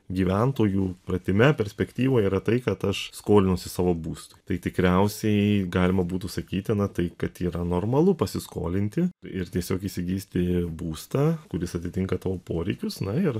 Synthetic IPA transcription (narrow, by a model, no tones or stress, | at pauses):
ɡʲiːʋʲɛnt̪oːjuːpɾɐt̪ʲɪmʲɛpʲɛɾʲsʲpʲɛkt̪ʲiːʋoːiːɾɐt̪ɐɪkɐt̪ɐʃskoːlʲɪnʊsʲɪsɑːʋoːbuːst̪ʊɪt̪ɐɪt̪ʲɪkɾʲɛʊsʲɛɪɡɑːlʲɪmɐbuːt̪ʊsɐkʲiːt̪ʲɪnɐt̪ɐɪkɐt̪iːɾɐnoːrmɐlˠʊpɐsʲɪsko̰ːlʲɪnʲt̪ʲɪɪɾt̪ʲiɛsʲoːkiːsʲɪɡʲiːsʲt̪ʲɪbuːst̪ɑːkʊɾʲɪsɐt̪ʲɪt̪ʲɪŋkɐt̪ɑːʋoːpoːɾʲɛɪkʲʊsnɐɪɾ